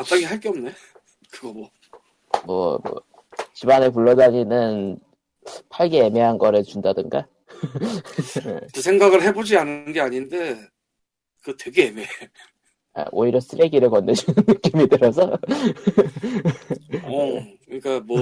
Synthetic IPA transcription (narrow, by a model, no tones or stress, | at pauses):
at͈aɡiɦaɭk͈eʌmna | kɯɡʌmʌ | mwʌ̰mʌ̰ | t͡ɕibanep̬uɭːʌdaɲinɯn | pʰaɭɡe̞ːmeɦanɡʌɾet͡ɕundadɯŋɡa | ḛkɯsʰe̞ŋɡaɣɯɭɦe̞bod͡ʑianɯnɡe̞aɲinde̞ | kɯte̞ɡeemee | ḛʔo̰iɾjʌs͈ɯɾeɡiɾɯɭkʌnːed͡ʑunnɯk͈jomitɯɾʌs̬ʰʌ | ʌkɯɲik͈amwʌ